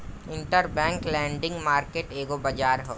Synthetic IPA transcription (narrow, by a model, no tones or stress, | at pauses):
ɪ̃ɳʈəɾbɛ̃ːŋklɛ̃ːɳɖɪ̃ŋɡmaːɾkeːʈeːɡobɐd͡ʒaːɾɦoː